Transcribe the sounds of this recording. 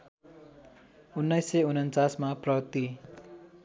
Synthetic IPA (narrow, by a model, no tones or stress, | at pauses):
unːʌjsːeunʌnt͡sasmaprʌt̪i